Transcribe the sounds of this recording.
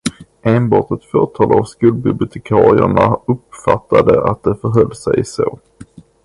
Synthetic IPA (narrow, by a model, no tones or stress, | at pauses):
eːnbɑːʈɛt̪fœːʈʰɑːlavskɵl̚bɪblɪʊt̪ʰɛkʰɑːɾɪə̰ɳaɵpfat̪ʰːad̪əʔat̪̚d̪ɛfœɾɦœlːsɛjsoː